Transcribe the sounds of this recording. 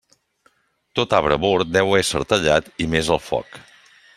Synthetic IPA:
t̪ot̪aβɾəβoɾt̪̚d̪ɛwəɛsə̰ɾt̪əʎat̪imezəlˠfɔ̰k

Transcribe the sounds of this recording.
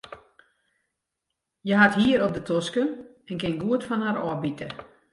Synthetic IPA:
jəɦathiəɾop̚dətʰoskən | ɛnkɪnɡuətfɔnhaɾɔbitʰə

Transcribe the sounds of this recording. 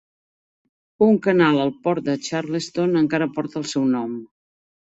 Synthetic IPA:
uŋkənalˠəlˠpɔɾt̪̚d̪ət͡ʃaɾləst̪onəŋkaɾəpɔɾt̪əlˠsɛwnɔm

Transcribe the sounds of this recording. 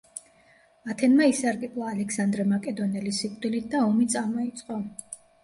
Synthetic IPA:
at̪ʰɛnmaisaɾɡʼipʼlˠaːlɛksand̪ɾɛmakʼɛd̪ɔnɛlisikʼd̪ilit̪̚ʰd̪aɔmit̪sʼamɔit̪sʼqʼɔ

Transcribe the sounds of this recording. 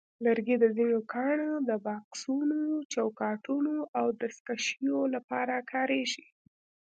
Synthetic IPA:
ləɾɡed̪əzinokʰɑɳod̪əbɑksunot͡ʃawkɑʈunoʔawd̪əskaʃijolapɑɾakʰɑɾeʃi

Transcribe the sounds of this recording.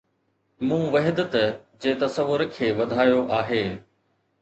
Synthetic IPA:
mũːʋɐɦɪd̪ət̪d͡ʑeːt̪ɐsəʋːʊɾkʰeːʋɐd̪ʱaːjoʔaːɦeː

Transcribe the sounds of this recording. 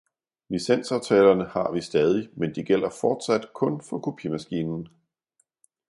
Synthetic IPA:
lisen̰sɑʊt͡sʰɛːlɐnəhɑ̈ʋisd̥ɛːð̞ˠimend̥iɡ̥el̰ɐfɒːd̥sæd̥kʰɔ̽nfɒ̽kʰupʰimæsɡ̥iːnn̩

